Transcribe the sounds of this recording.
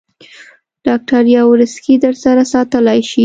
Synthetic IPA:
ɖ̥ɑk̚ʈaɾjɑwɾəskid̪əɾsaɾasɑt̪əlajʃi

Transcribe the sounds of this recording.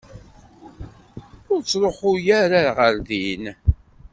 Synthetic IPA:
ʊɾt͡sːɾˤoħʊjæɾaɾʁəɾðin

